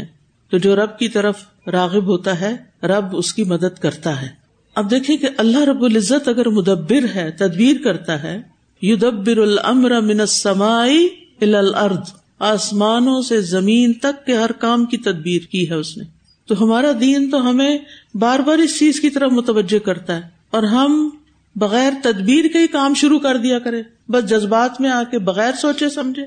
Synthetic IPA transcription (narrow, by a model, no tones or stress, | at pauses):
ɛ̃ | t̪od͡ʒoːɾɐb̚kit̪ɐɾəf | ɾaːɣɪbɦoːt̪aɦɛ | ɾɐbʊskimɐd̪əd̪kɐɾt̪aɦɛː | ɐb̚d̪eːkʰẽkeʔɐlːaɦɾɐbːʊlɪzːət̪ɐɡəɾmʊd̪ɐbːɪɾɦɛːt̪ɐd̪biːɾkɐɾt̪aɦɛ | jʊd̪ɐbːɪɾʊlɐ̰mɾɐmɪ̃nɐsːɐmaːɪ | ɪlaːlɐɾd̪ | aːsmaːnõsezɐmiːnt̪ɐkːeɦɐɾkaːmkit̪ɐd̪̚biːɾkiɦɛʊsne | t̪oɦɐmaːɾad̪iːnt̪oɦɐmẽbaːɾbaːɾɪst͡ʃiːzkit̪ɐɾəfmʊt̪əʋəd͡ʒːekɐɾt̪aɦɛː | ɔːɾɦɐm | bɐɣɛːɾt̪ɐd̪biːɾkaɦikaːmʃʊɾukɐɾd̪ijakɐɾẽː | bɐsd͡ʒɐzbaːt̪mẽaːkebɐɣɛːɾsoːt͡ʃesɐmd͡ʒʱẽː